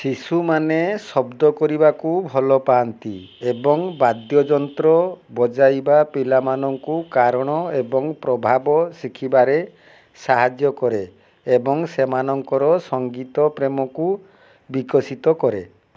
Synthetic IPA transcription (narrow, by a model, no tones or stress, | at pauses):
sisumanesɔbd̪ɔkɔɾibakubʱɔlɔpaːnt̪iebɔŋbad̪jɔd͡ʒɔnt̪ɾɔbɔd͡ʒajbapilamanɔŋkukaɾɔɽ̃ɔebɔŋpɾɔbʱabɔsikʰibaɾe | saɦad͡ʒjɔkɔɾeː | bɔŋsemanɔŋkɔɾɔsɔŋɡit̪ɔpɾemɔku | bikɔsit̪ɔkɔɾḛ